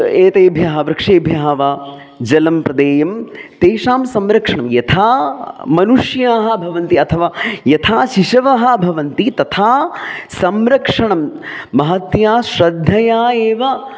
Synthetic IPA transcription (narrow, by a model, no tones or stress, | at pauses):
eːt̪eːbʱjaːɦɐʋɾɐkʂeːbʱjaɦːɐʋaː | d͡ʒɐlɐmpɾɐd̪eːjɐmt̪eːʂaːmsɐmɾɐkʂɐɳɐmjɐt̪ʰaːmɐnuʂjaːɦɐ̆bʱɐʋɐnt̪iɐt̪ʰɐʋaːjɐt̪ʰaːʃiʃɐʋɐɦɐ̆bʱɐʋɐnt̪it̪ɐt̪ʰaːsɐmɾɐkʂɐɳɐmːɐɦɐt̪jaːʃɾɐd̪ʱːɐjaːeːʋɐ